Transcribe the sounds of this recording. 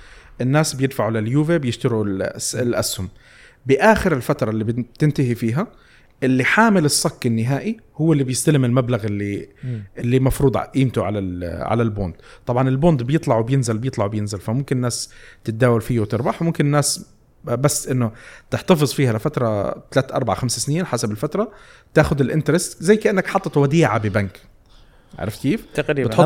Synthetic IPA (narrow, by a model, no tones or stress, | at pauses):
ʔɪnːaːsbjɪd̪faʕulɪljuːvebjɪʃt̪ɪɾulɪlʔashʊm | bɪʔaːxɪɾɪlfat̪ɾˤɑlːibt̪ɪnt̪aɦifiːɦa | ʔɪlːiħaːmɪlɪsˤːɑkːɪnːɪɦaːʔihʊwːɪlːibjɪst̪alɪmɪlmablaɣɪlːiʔɪlːimɑfɾuːd̪ˤʕa̰ʔiːmt̪ʊʕalalʕa̰lalbo̰ːnd̪t̪ˤɑbʕɑnɪlboːnt̪bjɨt̪ˤlɑʕwɪbjɪnzɪlbjɪt̪ˤlɑʕwbjɪnzɪlfamʊmkɪnnːaːst̪ɪt̪̚d̪aːwalfiːwt̪ɪɾbɑħmʊmkɪnɪnːaːs | basːʔɪnːʊt̪ɪħt̪ɑfɨzˤfiːhalɪfat̪ɾˤɑt̪alaːt̪ʔɑ̰ɾˤbaʕaxamssniːnħasabɪlfat̪ɾˤɑt̪aːxʊd̪ɪlʔɪnt̪ɾɪst̪zajːkaʔɪnːakħɑt̪ˤːɑt̪wad̪iːʕabɪbank | ʕa̰ɾˤɑfkiːfbɪħ